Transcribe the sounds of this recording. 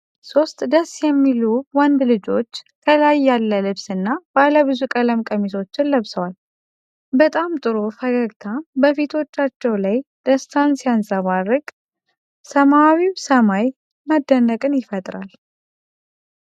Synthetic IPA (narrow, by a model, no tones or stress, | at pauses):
so̞st̪d̪əsjɛmːiluwand̪lɨd͡ʒo̞t͡ʃːk̪ʰəlajːalːəlɨβsɨnːabaləβɨzukʼələmkʼəmisʰo̞t͡ʃːɪnləβsəwal | bət̪ʼamt̪ʼɨɾofəɡəɡt̪ʰabəfit̪ʰo̞t͡ʃːat͡ʃːɛwlajd̪̥əst̪ʰansiansʼəβarːɨkʼ | səmawisəmaj | məd̪ːənːəkʼɨnjɪfət̪ʼɾal